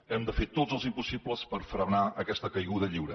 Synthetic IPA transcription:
ɛmd̪əfet̪ozəlˠzimpusipləspəɾfɾənaəkɛst̪əkəjɣuðəʎiwɾə

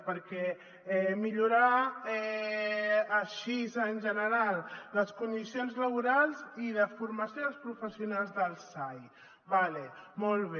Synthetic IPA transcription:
pəɾkɛ | ɛmiʎuɾaɛː | ʃizənʲʒənəɾalˠd̪əskund̪isijonzləβ̞uɾalˠziðəfuɾməsjoəlspɾufəsiunalˠzðəlˠsaj | βalemɔlˠβe

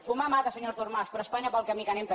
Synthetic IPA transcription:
fumamat̪əsəɲoɾt̪urmaspɾəspaɲəpəlˠkəmikənemk̪ə

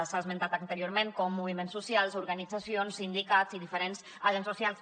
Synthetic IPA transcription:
sazment̪at̪ənt̪əɾioɾmẽŋkɔmːuβ̞imensusialˠzuɾɣanid͡zasionsind̪ikatziðifəɾenz | aʒensusialˠs

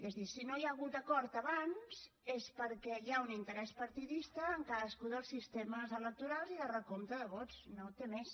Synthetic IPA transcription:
ezðisinojaɣut̪̚əkɔɾt̪əβanz | espəɾkɛiaunint̪əɾɛspəɾt̪iðist̪əːŋkaðəskuðəlˠsːist̪eməzələk̚t̪uɾalˠziðərəkomt̪əðəβɔtt͡snot̪emes

